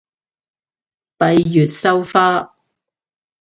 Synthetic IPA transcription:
pɐ˨˧jjyː˨t̚sɐ˥wfaː˥

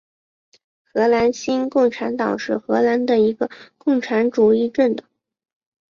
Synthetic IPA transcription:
xɤ˧˥la˧˥nɕi˥nkʊ˥˩ŋʈ͡ʂʰa˧˥nt̪ɑ˨˩ŋʂɻ̩˥˩xɤ˧˥la˧˥nd̪ə˧i˧˥ɡə˧kʊ˥˩ŋʈ͡ʂʰa˧˥nʈ͡ʂu˨˩i˥˧ʈ͡ʂə˥˩nd̪ə˩

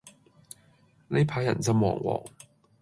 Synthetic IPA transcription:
ne˨˧jpʰaː˨˥jːɐ̰˨˩nsɐ˥mwɔ̰ː˨˩ŋwɔ̰ː˨˩ŋ

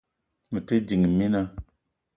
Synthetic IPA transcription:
mə˨te˦di˨ŋ˨mi˦na˧

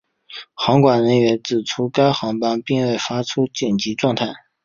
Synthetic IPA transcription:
xɑ˧˥ŋkwa˨˩nɻə˧˥nɥɛ˧˥nt͡sɹ̩˨˩ʈ͡ʂʰu˥ka˥ɪxɑ˧˥ŋpa˥npi˥˧ŋwe˥˩ɪfa˥ʈ͡ʂʰu˥t͡ɕjɛ˨˩nt͡ɕi˧˥ʈ͡ʂwɑ˥˧ŋt̪ʰa˥˩ɪ

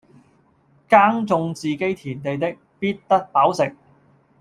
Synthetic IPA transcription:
kaː˥ŋt͡sʊ˧ŋt͡siː˨ke˥jt̪ʰiː˨˩nt̪e˨jt̪̬ɪ˥k̚piː˥t̚t̪ɐ˥k̚paː˨˥wsɪ˨k̚

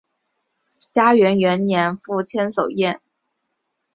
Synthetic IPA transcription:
t͡ɕja˥ɥɛ˧˥nɥɛ˧˥nnjɛ˧˥nfu˥˩t͡ɕʰjɛ˥nso˨˩ʊjɛ˥˩n

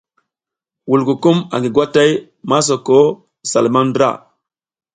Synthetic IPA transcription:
wu˨lku˨ku˦ma̰˨ŋɡi˨ɡwa˦ta˦j | ma˦s̬o˨ko˦ | sa˨lma˦n˦dɾa̰˦˨

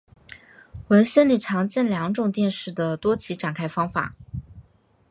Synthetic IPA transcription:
wə˧˥nɕɛ˥˧nli˨˩ʈ͡ʂʰɑ˧˥ŋt͡ɕjɛ˥˩nljɑ˧˥ŋʈ͡ʂʊ˨˩ŋt̪jɛ˥˧nʂɻ̩˥˩d̪ə˩t̪wɔ˥t͡ɕʰi˧˥ʈ͡ʂa˨˩nkʰa˥ɪfɑ˥ŋfa̰˨˩˦

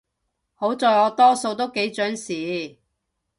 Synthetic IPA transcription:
ho˨˥wt͡sɔː˨˧jɔː˨˧t̪ɔː˥so˧wt̪o˥wke˨˥jt͡ʃœː˨˥ŋsiː˨˧˥

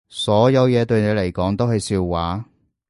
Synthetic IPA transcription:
sɔː˨˥jɐ˨˧wjɛː˨˧t̪ɵ˧ɥne˨˧le˨˩jkɔː˨˥ŋt̪o˥wɦɐ˨jsiː˧wːaː˨˥

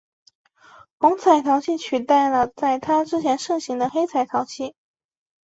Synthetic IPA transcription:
xʊ˧˥ŋt͡sʰa˨˩ɪt̪ʰɑ˧˥ʊt͡ɕʰi˥˩t͡ɕʰy˨˩t̪a˥˩ɪlə˩t͡sa˥˩ɪt̪ʰa˥ʈ͡ʂɻ̩˥t͡ɕʰjɛ˧˥nʂɤ˥˩ŋɕi˧˥ŋd̪ə˧xe˥ɪt͡sʰa˨˩ɪt̪ʰjɑ˧˥ʊt͡ɕʰi˥˩

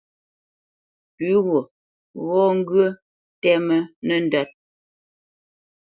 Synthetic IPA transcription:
pʉ˨˦ɣo˨ | ɣɔ˦ŋ̩˦ɡɰə˦ | tɛ˦mə˦nə˦˨n̩˨dɔ˦t̚

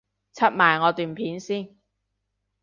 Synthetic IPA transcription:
t͡sʰɐ˥t̚maː˨˩jŋɔː˨˧t̪yː˨npʰiː˨˥nsiː˥˩n

